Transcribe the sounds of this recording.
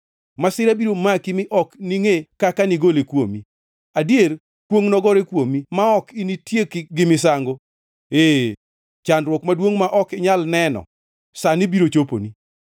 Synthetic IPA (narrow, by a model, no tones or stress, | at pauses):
masɪɾabiɾomakimɪʔɔkniŋekakaniɡolekwo̰mi | adjer | kwoŋnɔɡɔɾekwomimaɔkinitjekɡɪmɪs̬aŋɡo | e | t͡ʃanɾwɔkmadwoŋmaʔɔkɪɲalnɛnɔ̰ | sanibiɾot͡ʃopo̰ni